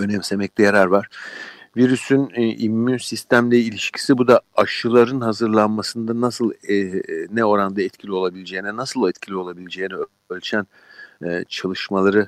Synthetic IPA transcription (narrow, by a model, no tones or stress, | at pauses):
ø̞nɛmse̞mɛclʲɛjaɾaɾvaɾ̥viɾysynʔimːynsist̪ʰæmlʲɛilʲiʃcʰi̥sibud̪aaʃɯlˠaɾɯnɦazɯɾlˠanmasɯnd̪anasɯlˠ | nɛo̞ɾand̪aɛt̪̚cʰilʲio̞lˠabilʲed͡ʒe̞jːinɛnasɯlˠɛt̪cʰilʲio̞lˠabilʲed͡ʒe̞jinɛø | ølʲt͡ʃʰænː | t͡ʃʰalˠɯʃmalˠaɾɯ